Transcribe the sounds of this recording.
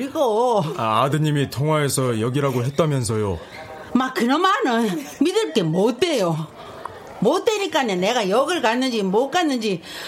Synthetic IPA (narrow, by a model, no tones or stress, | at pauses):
ɯɾiɡoaadɯɲimitʰoŋwae̞sʰʌjʌɡiɾaɡoɦe̞t̚t͈amjʌns̬ʰʌjo | makkɯɾʌmanɯnmidɯɭk͈e̞mot͈e̞jo | mot͈e̞ɲik͈anene̞ɡajʌɡɯɭkanːɯnd͡ʑimok͈anːɯnd͡ʑi